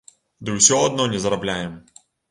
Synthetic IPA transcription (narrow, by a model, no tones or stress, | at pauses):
d̪ɔɪsʲoɐd̪nɔnʲɪzɐɾɐblʲajɪm